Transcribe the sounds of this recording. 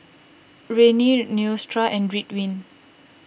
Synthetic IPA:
ɹeninustʰɹaʔɛ̃nɹitwĩn

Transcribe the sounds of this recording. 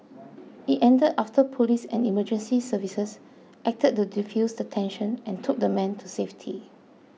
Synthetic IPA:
hiʔɛ̃ndədaftʰəpʰolisɛ̰̃niməd͡ʒə̃nsisəvisəs | ʔɛk̚tʰəd̚dədifjusdətʰɛ̃nʃə̃nʔɛ̃ntʰuk̚dəmɛ̃ntʰuseftʰi

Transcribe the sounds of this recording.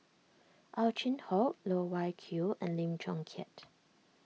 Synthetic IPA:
ʔaʊt͡ʃĩnhɔk̚lowaɪkʰjuɛ̰̃nlĩmd͡ʒɔ̃ŋkʰɛt

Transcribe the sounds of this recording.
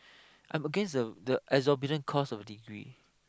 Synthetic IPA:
ʔã̰j̃məɡɛ̃nsdədəʔɛzɔbiɾə̃nkʰɔsɔfədiɡɹḭ

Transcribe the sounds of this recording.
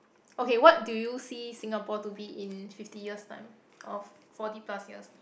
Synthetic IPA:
okewɔt̚dujusisĩŋapɔtubiʔĩnfiftijiəstã̰ɪ̃m | ʔɔf | fɔtiplasjiəs

